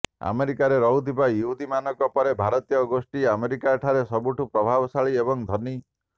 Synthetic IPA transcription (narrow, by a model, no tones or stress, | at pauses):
a̰meɾikaɾeɾɔɦut̪ʰibajuɦud̪ʱimanɔkɔpɔɾebʱaɾɔt̪ijɔɡosʈiameɾikaʈʰaɾesɔbuʈʰupɾɔbʱabɔsaɭiebɔŋd̪ʱɔni